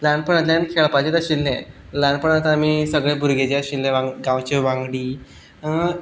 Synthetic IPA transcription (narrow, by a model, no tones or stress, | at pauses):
lãɳ̚pəɳat̪lankʰeɭpad͡ʑet̪əɕilːẽ | laɳpəɳat̪aːmisəɡɭẽbʱuɾɡed͡ʑeəɕilnẽʋãŋɡɡãwt͡ɕeʋaŋɡɽiː